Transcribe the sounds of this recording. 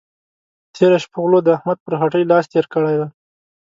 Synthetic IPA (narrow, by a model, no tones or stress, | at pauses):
t̪ʰeɾaʃpoɣlod̪əahmad̪̚pəɾxaʈəjlɑst̪eɾkəɽajd̪a